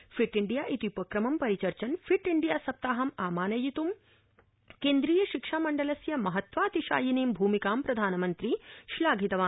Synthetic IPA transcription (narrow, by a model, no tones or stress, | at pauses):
fʰiʈiɳɖijaːʔit̪iupɐkɾɐmɐmpɐɾit͡ʃɐɾt͡ʃɐnfʰiʈiɳɖijaːsɐp̚t̪aːɦɐmaːmaːnɐjit̪um | keːnd̪ɾiːjɐʃikʂaːmɐɳɖɐlɐsjɐmɐɦɐt̪ʋaːt̪iʃa̰ːjineːmbʱuːmikaːmpɾɐd̪ʱaːnɐmɐnt̪ɾiʃlaːɡʱit̪ɐʋaː